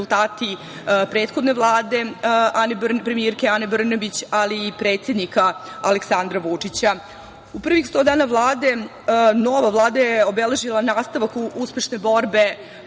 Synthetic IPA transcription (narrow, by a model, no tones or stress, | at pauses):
ulˠt̪aːt̪i | pɾeːt̪xo̞d̪ne̞ʋlˠaːd̪e̞anepɾe̞mijeɾkeanebr̩nabit͡ɕaliːpɾe̞ːt̪sjed̪nikaaleksand̪ɾaʋut͡ʂit͡ɕa | upr̩ʋixst̪o̞d̪aːnaʋlˠaːd̪e̞ | no̞ʋaʋlˠaːd̪ajeo̞bele̞ʒilˠanaːst̪aʋakuuspe̞ʃne̞bo̞ɾbe̞